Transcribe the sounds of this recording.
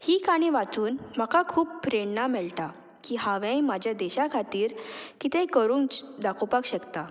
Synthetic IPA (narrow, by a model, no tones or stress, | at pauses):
hiːkaɽ̃iʋat͡suːnmakakʰuːbpɾeɳnamɛɭt̪a | kiɦaʋɛ̃jmad͡ʑʱjad̪ɛɕakʰat̪iːɾkit̪ẽkəɾuːŋt͡sd̪akʰopakɕəkt̪a